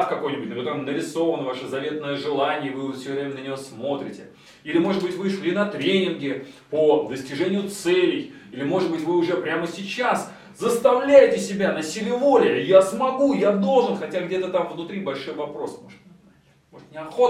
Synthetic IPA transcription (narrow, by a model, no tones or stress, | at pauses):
t̪kɐko̞jnʲɪbʊt̚ʲnkʲɐt̪oɾəmnəɾʲɪso̞vənəvaʂɨzɐvʲe̞t̪nːəjəʐɨlˠanʲɪjəvɨfsʲovɾʲemʲɪnənʲɪjosmo̞t̪ɾʲɪtʲɪ | ilʲɪmo̞ʐɨd̪bɨtʲvɨʂlʲinɐt̪ɾʲenʲɪnɡʲɪ | pod̪əsʲtʲɪʐɛnʲɪjʊt̪sɛlʲɪj | ilʲɪmo̞ʐɨd̪bɨtʲvɨʊʐɛpɾʲaməsʲɪt͡ɕas | zəst̪ɐvlʲæjɪtʲɪsʲɪbʲanɐsʲilʲɪvo̞lʲɪjəjasmɐɡujad̪o̞lˠʐɨnxɐtʲaɡdʲe̞t̪ət̪amvnʊt̪ɾʲijbɐlʲʂojvɐpɾo̞smo̞ʐɨt̪ʲ | mo̞ʐt̪nʲɪɐxot